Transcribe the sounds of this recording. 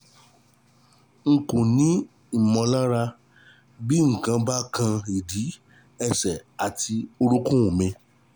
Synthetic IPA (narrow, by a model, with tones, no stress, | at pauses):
ŋ̩˨kũ˨nĩ˦ | i˨mɔ̃˧la˦ɾa˧ | bi˦ŋ̩˨kã˧ba˦kã˧i˨di˨˦ | ɛ˧sɛ˨a˨ti˧o˧ɾu˦kũ˦ũ˨mẽ˧